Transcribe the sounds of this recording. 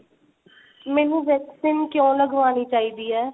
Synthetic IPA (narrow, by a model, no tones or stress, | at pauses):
mɛːnũːʋɛːksɪnkjõːləɡʋaːniːt͡ʃaːiːd̪iːɛː